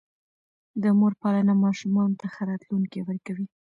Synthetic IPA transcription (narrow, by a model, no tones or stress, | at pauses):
d̪əmoɾpɑlanamɑʃumɑnot̪axaɾɑt̪luŋkewəɾkawi